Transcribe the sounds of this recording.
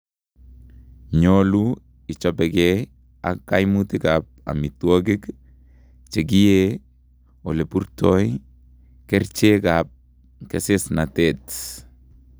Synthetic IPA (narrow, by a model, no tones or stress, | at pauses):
ɲolu | it͡ʃopeɡe | a̰kajmutikap̚a̰mitwoɡik | t͡ʃeɡije | olepuɾtoj | keɾt͡ʃekap̚ | kesesnatet